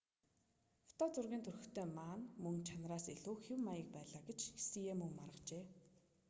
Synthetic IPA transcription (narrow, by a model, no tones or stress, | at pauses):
ft̪ɔːt͡sʊrɣʲiːnt̪ʰɵrɵ̆xt̪ʰeːmaːnmɵŋt͡ɕʰanraːsiɮuːxiwmajə̆k̚pæːɮaːɡet͡ɕxi̥sijeːmɵŋmarʁə̆qt͡ɕeː